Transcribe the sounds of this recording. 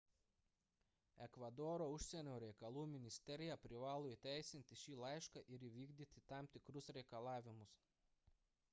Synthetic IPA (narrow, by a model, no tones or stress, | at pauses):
ɛkʋɐd̪ɔːɾoːʊʃʲsʲɛnʲoːɾʲɛɪkɐlˠuːmʲɪnʲɪsʲt̪ʲɛɾʲɪjɛpʲɾʲɪʋɑːlˠoːit̪ʲæˑɪsʲɪnʲt̪ʲɪʃʲiːlˠɐɪʃkɑʔɪɾiːʋʲiːɡd̪ʲiːt̪ʲɪt̪ɑˑmt̪ʲɪkɾʊsɾʲɛɪkɐlˠɑːʋʲɪmʊs